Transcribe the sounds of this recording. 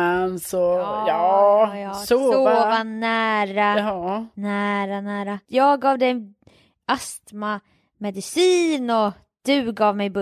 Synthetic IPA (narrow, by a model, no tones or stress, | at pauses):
ansɔjɑː | soːovanæːɾanæːɾanæːɾajɑːɡɑːvd̪ɛj | ʔast̪ma | mɛd̪ɪsiːnɔ | d̪̥ɵɡɑːvmɛjb